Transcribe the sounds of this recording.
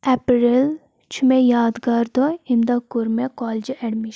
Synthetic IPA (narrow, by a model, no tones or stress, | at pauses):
ɛpɾil | t͡ʃʰmẽjaːd̪ɡaɾd̪ɔɪnd̪akuɾmekɔːld͡ʒɛɖmiʃ